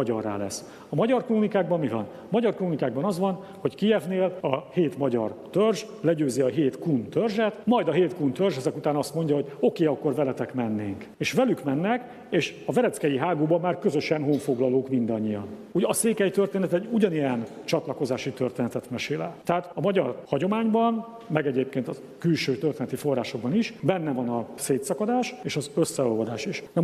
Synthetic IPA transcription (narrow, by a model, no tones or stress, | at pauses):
ɒɟɒrːa̰ːlɛsː | ɒmɒɟɒrkloːnikaːɡ̚bɒmːivɒ̰n | mɒɟɒrkloːnikaːɡ̚bɒnɒzʋɒn | ho̞ckijɛvneːlɒheːt̪mɒɟɒ̰rt̪ørʒ | lɛɟøːziɒɦeːt̪kunt̪ørʒɛt̪mɒjd̪ɒɦeːt̪kunt̪ørʒɛzɛkut̪aːnɒst̪mo̞ɲɟɒɦo̞ɟo̞keːɒkːo̞rvɛlɛt̪ɛkmɛnːeːŋk | eːʃvɛlykmɛnːɛk | eːʃɒvɛɾɛt̪skɛjiɦaːɡoːbɒmːaːrkø̞zø̞ʃɛnɦoɱfo̞ɡlɒloːkmind̪ɒɲːijɒn | uɟɒseːkɛjt̪ørt̪eːnɛt̪ɛɟuɟɒnijɛn | t͡ʃɒt̪lɒko̞zaːʃit̪ørt̪eːnɛt̪ɛt̪mɛʃeːlɛ̰t̪ɛɦaːt̪ɒmɒɟɒrhɒɟo̞maːɲbɒn | mɛɡɛɟeːp̚keːnt̪ɒ | kylʃøːt̪ørt̪eːnɛt̪ifo̞rːaːʃo̞ɡ̚bɒniʃbɛnːɛvɒnɒseːt̪sɒkɒd̪aːʃeːʃɒzø̞sːɛolvɒd̪aːʃiʃnɛ